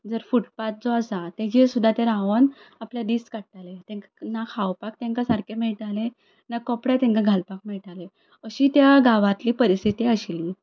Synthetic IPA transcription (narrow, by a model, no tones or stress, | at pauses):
d͡zəɾfuʈpat̪̚d͡zɔasat̪ed͡ʑesud̪ʱːat̪eɾãʋənapljad̪iːskaɽʈ̪alet̪ɛ̃ŋkanakʰawpak̚t̪ɛ̃ŋkasaɾkemɛɭʈ̪ale | nakɔpɽjat̪ɛ̃ŋkaɡʱalpak̚miɭʈale | əɕiːt̪jaɡaʋãt̪liːpəɾist̪ʰit̪iəɕili